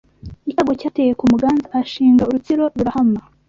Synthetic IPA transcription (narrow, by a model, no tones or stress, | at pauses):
icaːɡo̞caːtejekumuɡaːnzaaʃiːŋɡauɾut͡siɾo̞ɾuɾahama